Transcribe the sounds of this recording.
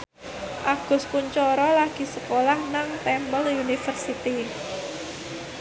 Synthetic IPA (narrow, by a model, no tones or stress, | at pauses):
ʔaɡ̥ʊ̤spuɲt͡ʃɔɾɔlaɡ̥i̤səkolahnaŋt̪ɛmpəlunifərsit̪i